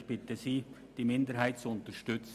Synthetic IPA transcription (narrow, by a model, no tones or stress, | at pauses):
çb̥ɪtəziː | d̥iːmɪndəɦhaɪtt͡suʊntəʃtʏt͡s